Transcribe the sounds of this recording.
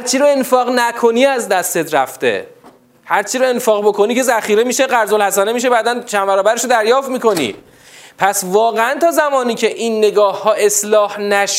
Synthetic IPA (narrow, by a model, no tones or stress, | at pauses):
ɾt͡ʃʰiɾoenfɒːɣnækʰo̞niːæzd̪æst̪e̞t̪ɾæ̰ft̪e̞̰ | hæɾt͡ʃʰiɾoe̞nfɒːɣbo̞kʰo̞niːce̞zæχiːɾemiːʃeɢæɾzolhæsænemiːʃ̬e̞bæːd̪ænt͡ʃʰænbæɾɒːbæɾeʃod̪æɾjɒːft̪miːko̞nḭ | pʰæsvɒːɣeænt̪ʰɒːzæmɒːniːcʰe̞ʔinːe̞ɡɒːhːɒːʔe̞slɒːhnæʃ